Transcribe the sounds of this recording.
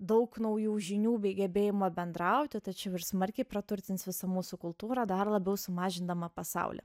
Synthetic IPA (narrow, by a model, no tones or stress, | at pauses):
d̪ɐʊknɐʊjuːʒʲɪnʲuːbʲɛɪɡʲɛbʲeːjɪmɐbʲɛnd̪ɾɐʊt̪ʲɪt̪ɐt͡ʃʲɛʊɪrsmɐrʲkʲɛɪpɾɐt̪ʊɾʲt̪ʲɪnʲsʋʲɪsɐmuːsʊkʊlˠt̪uːɾɐd̪ɐrlˠɐbʲɛʊsʊmɑːʒʲɪnd̪ɐmɐpɐsɑ̰ʊlʲɛ̰